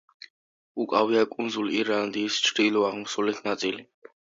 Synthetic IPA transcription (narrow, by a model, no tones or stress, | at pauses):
ukʼawiakʼunzuliɾand̪iːst͡ʃʰɾiluaʁmsɔlit̪ʰnat̪ʼili